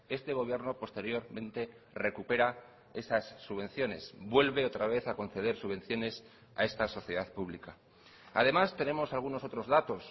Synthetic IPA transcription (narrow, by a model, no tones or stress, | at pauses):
e̞st̪e̞ɣ̞o̞β̞je̞ɾno̞po̞st̪e̞ɾjo̞ɾmẽ̞nt̪e̞ | re̞kupe̞ɾa | e̞sasːuβẽ̞nθjo̞ne̞sbwe̞lβe̞o̞t̪ɾaβe̞θako̞n̟θe̞ðe̞ɾsuβe̞n̟θjo̞ne̞s | a̰e̞st̪aso̞θje̞ð̞aðpuβlika | a̰ð̞e̞mast̪e̞ne̞mo̞salɣ̞uno̞sot̪ɾo̞zðat̪o̞s